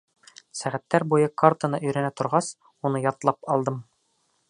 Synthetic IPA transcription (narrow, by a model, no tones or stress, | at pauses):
sæʁæt̪ːæɾbujɤkart̪ənɤʔɵ̆jɾænæt̪ŏɾʁɑs | unɤjɒt̪lˠɑpɒlˠd̪ɤm